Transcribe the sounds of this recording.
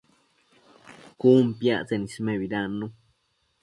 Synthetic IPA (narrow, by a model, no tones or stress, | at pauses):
kumpjaʔt͡senismeβiɾanːu